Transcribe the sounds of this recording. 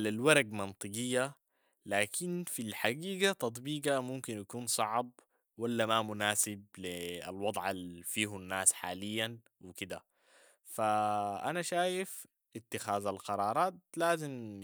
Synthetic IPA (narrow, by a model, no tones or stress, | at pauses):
lalwɑɾˤɑɡmɑnt̪ˤɨɡɪjːa | laːkʰinfilħaɡiːɡat̪ɑt̪ˤbiːɡamumkinjakuːnsˤɑʕb̚ | walːamamʊnaːsɪb̚lia̰lwɑd̪ˤʕalfiːɦunːaːsħa̰ːlijːan | wɪkid̪a | faʔanaʃaːjɪf | ʔɪt̪ːɪxaːzalqɑɾˤɑːɾˤɑːt̪̚laːzim